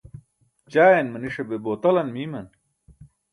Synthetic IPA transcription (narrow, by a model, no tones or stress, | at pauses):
t͡ɕaːjenmɐniʂebeboːt̪ɐlɐnmiːmɐn